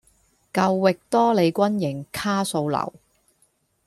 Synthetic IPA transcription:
kɐ˧wːɪ˨k̚t̪ɔː˥le˨˧jkʷɐ˥njɪ˨˩ŋkʰaː˥so˧wlɐ̰˨˩w

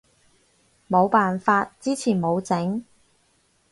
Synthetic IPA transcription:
mo˨˧wpaː˨nfaː˧t̚t͡siː˥t͡sʰiː˨˩nmo˨˧wt͡sɪ˨˥ŋ

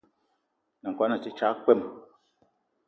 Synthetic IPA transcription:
na˨kʷwa˨˦na˨t͡ʃi˦t͡ʃa˦k͡pɛ˦˨m˨

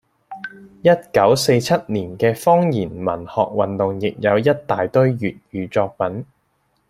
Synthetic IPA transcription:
jɐ˥t̚kɐ˨˥wse˧jt͡sʰɐ˥t̚niː˨˩nkɛː˧fɔː˥ŋjiː˨˩nmɐ̰˨˩nhɔ̰ː˨k̚wɐ˨nt̪ʊ˨ŋjɪ˨k̚jɐ˨˧wjɐ˥t̚t̪ːaː˨jt̪ɵ˥ɥjyː˨t̚jyː˨˧t͡ʃɔː˧k̚pɐ˨˥n

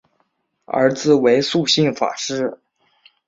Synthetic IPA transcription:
ə̰˧˥d͡zɹ̩˨˩we˧˥ɪsu˥˧ɕi˥˩ŋfa̰˨˩ʂɻ̩˥˩

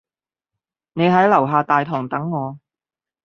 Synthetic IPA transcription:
ne˨˧jɦɐ˨˥jlɐ˨˩wɦaː˨˧t̪aː˨jt̪ʰɔː˨˩ŋt̪ɐ˨˥ŋːɔː˨˧

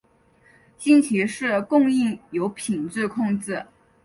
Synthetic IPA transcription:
t͡ɕi˥˧nt͡ɕʰi˧˥ʂɻ̩˥˩kʊ˥˧ŋi˥˩ŋjo˧˥ʊpʰi˨˩nt͡sɻ̩˥˩kʰʊ˥˧ŋt͡sɹ̩˥˩

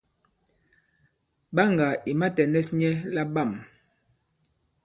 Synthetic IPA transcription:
ɓa˦ŋɡa˨i˨ma˦tɛ˨nɛ˦sɲɛ˦la˦ɓa˦˨m

